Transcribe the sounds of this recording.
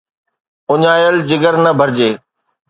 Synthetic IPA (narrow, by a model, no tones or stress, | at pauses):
ʊɲaːjəld͡ʑɪɡəɾnɐbʱɐɾd͡ʑeː